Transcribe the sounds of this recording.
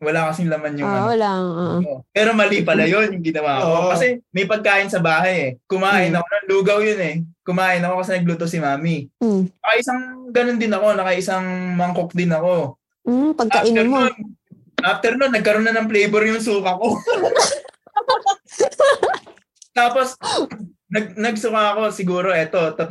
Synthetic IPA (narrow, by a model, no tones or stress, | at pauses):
wɐlakɐsɪŋlɐmanjʊŋalaʔopɛːɾo̞mɐliːpɐlɐjo̞njʊŋɡɪnɐwaːʔɐkokɐsɛmɐjpɐɡ̚kaːʔɪnsɐbaːɦɐjɛkʊmaːʔɪnɐkonɐluːɡɐwjonɛkʊmaːʔɪnɐko̞kɐsɛnɐɡ̚luːt̪osɪmaːminɐkɐʔɪsaŋɡɐno̞nd̪ɪnɐko̞nɐkɐʔɪsɐŋmɐŋkok̚d̪ɪnɐko̞ | pɐɡɐʔɪɛɾon | ʔaft̪ɛɾnonːɐɡ̚kɐɾonːɐnɐŋplɛjbɛɾjʊŋsuːkɐko̞ | apos | t̪aːpo̞s | nɐɡ̚nɐɡ̚sʊkaɐko̞sɪɡuːɾo̞ʔɛt̪o̞t̪ɐ